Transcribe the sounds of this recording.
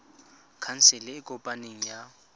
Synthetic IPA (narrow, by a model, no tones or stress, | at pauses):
kʰan̩sɪlɪɪkʼɔpʼaneŋ̩ja